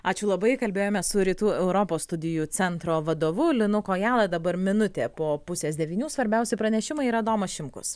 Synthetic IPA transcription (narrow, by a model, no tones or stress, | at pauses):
ɑːt͡ʃʲʊlˠɐbɐɪkɐlʲbʲeːjoːmʲɛssʊɾʲiːt̪uːɛʊɾopoːsst̪ʊd̪ʲɪjut͡s̪ʲɛnt̪ɾoːʋɐd̪oːʋʊlʲɪnʊkoːjæːlˠɐd̪ɐbɐɾmʲɪnʊt̪ʲeːpoːpʊsʲeːsd̪ʲɛʋʲiːnʲuːsʋɐɾʲbʲɛʊsʲɪpɾɐnʲɛʃʲɪmɐɪiɾɐd̪oːmɐʃʲɪmkʊ̰s